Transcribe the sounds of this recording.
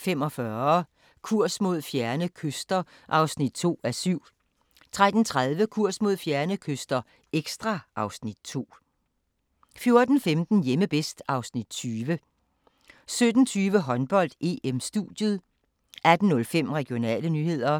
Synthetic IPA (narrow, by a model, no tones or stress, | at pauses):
fem̰ɒ̽fɶɐ | kʰuɐ̰smo̝ð̞ˠfjæɐnəkʰøsd̥ɐ | ʔɑ̈ʊsnid̥̚t͡sʰo̝̰ːæsyʊ̰ | t͡sʰʁad̥n̩t͡sʰʁað̞ˠʋəkʰuɐ̰smo̝ð̞̰ˠfjæɐnəkʰøsd̥ɐ | eɡ̥sd̥ʁɑ̈ʔɑ̈ʊsnid̥̚t͡sʰo̝̰ː | fjo̝ɐd̥n̩femd̥n̩jeməb̥esd̥ɑ̈ʊsnid̥̚t͡sʰyːʋə | sød̥n̩t͡sʰyːʋəɦɒ̽nb̥ɒ̽l̰d̥e̝emsd̥ṵð̥jəðˠ | ʔæd̥n̩nːɔ̽lfem̰ʁɛɡ̥io̝nɛ̰ːlənyːhe̝ð̞̰ˠɐ